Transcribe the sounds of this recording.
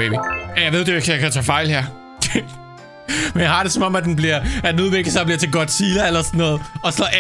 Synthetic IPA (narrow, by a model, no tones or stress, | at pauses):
ḛbijæjaɪʋe̝ðˠd̥eeɡ̥sjakʰæt͡sʰɛːfɑ̈ɪlheɐ̰ | menjɑhɑ̈dɾe̝sɒ̽mɒ̽mæd̥enb̥liɐ̰æd̥enuðˠʋeɡ̥əsɑ̈b̥liɐt͡sʰe̝ɡ̥ɒ̽d̥siːlɐelɐsɔnːɔ̽ːð̞̩ˠɒ̽sɒ